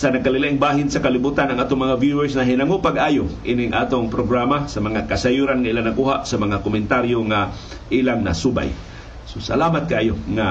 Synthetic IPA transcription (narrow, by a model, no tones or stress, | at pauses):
sanaɡ̚kalɪlaʔɪŋbaːɦɪnsakalibuːt̪anaŋʔaːt̪oŋmaŋavjuɛɹsnaɦinaŋopaɡʔajoʔḭnɪŋʔa̰ːt̪oŋpɾoɡɾamasamaŋakasajuɾanŋaʔilaŋnakuɦaʔsamaŋakomɪnt̪aɾjoŋa | ʔilaŋna̰suba̰j | sosa̰laːmat̪̚kaʔaːjoŋa